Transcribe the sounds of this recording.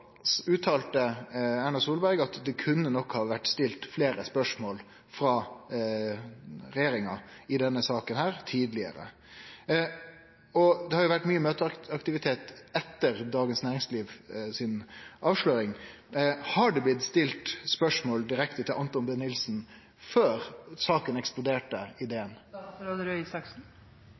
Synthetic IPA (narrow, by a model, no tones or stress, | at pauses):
ʉːt̪ʰɑːlt̪əæɳɑsuːlbæɾɡɑt̪d̪ɛkʰʉnːənɔkhɑːʋæʈːst̪ɪlt̪fleːɾəspœʂmoːl | fɾɑː | ɾɛjeːɾɪŋɑɪd̪ɛnːəsɑːkənhæːɾt̪ʰiːd̪lɪə̰ɾə̰ | ɔd̪ɛhɑɾjʊʋæʈːmyːəmøːt̪əɑkt̪ɪʋɪt̪ʰeːt̪ɛt̪ːəɾd̪ɑːɡənsnæːɾɪŋsliːʋsɪnʔɑːʋʂløːɾɪŋ | hɑɖʉblɪt̪st̪ɪlt̪spœʂmoːld̪ɪɾɛkt̪ət̪ʰɪlʔɑnt̪ɔnbɛnːɪlsn̩ | føːɾsɑːkənɛksplʊd̪eːʈəɪd̪eːənɾʉsɑksn̩